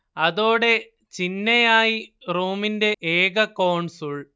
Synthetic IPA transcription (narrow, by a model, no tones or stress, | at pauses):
ɐðo̞ːɽe̞ | t͡ɕinːɐjaːjiruːminde̞ʔeːɡɐkɐːwɳsoːɭ